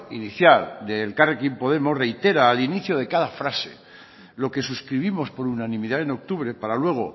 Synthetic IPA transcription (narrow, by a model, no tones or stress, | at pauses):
iniθjald̪elkarekimpo̞ð̞e̞mo̞sre̞jt̪e̞ɾaːliniθjoðe̞kaðafɾase̞̰ | lo̞ke̞suskɾiβ̞imo̞spo̞ɾunanĩmiðae̞no̞k̚t̪uβɾe̞paɾalwe̞ɣ̞o̞